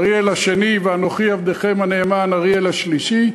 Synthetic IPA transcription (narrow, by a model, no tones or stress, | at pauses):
ʁielaʃe̞niveanoχiavd̪eχe̞maneːmanaʁielaʃliʃi